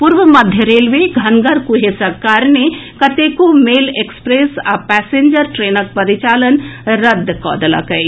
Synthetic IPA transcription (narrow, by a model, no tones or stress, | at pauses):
pʊɾʋəmɐd̪ʱjəɾeːlʋeɡʱɐnɡəɾkʊɦesɐkaːɾnekɐt̪ekomeːleːkspɾeːsa̰pɛːsẽːɲd͡ʒəɾʈɾeːnək̚pɐɾɪt͡ʃaːlənɾɐd̪ʱːkɔ̰ːd̪əla̰kɐi